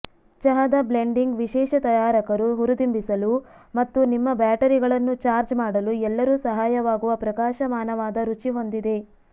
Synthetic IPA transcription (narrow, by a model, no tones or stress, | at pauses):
t͡ʃɐɦɐd̪ɐble̞ɳɖiŋɡʋiʃɛːʃɐt̪ɐjaːɾɐkɐɾuɦuɾud̪imbisɐlumɐt̪ːunimːɐbaːʈɐɾiɡɐɭɐnːut͡ʃaːɾd͡ʒmaːɽɐluɛlːɐɾusɐɦaːjɐʋaːɡuʋɐpɾɐkaːʃɐmaːnɐʋaːd̪ɐɾut͡ʃiɦo̞nd̪id̪e̞